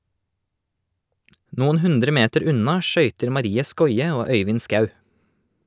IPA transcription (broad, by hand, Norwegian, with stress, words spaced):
ˈnuːn̩ ˈhʉndɾə ˈmeːtəɾ ˈʉnɑ ˈʃœʏtəɾ mɑˈɾiːə ˈskɔʏə ˈoː ˈœʏʋɪn ˈskɑʉ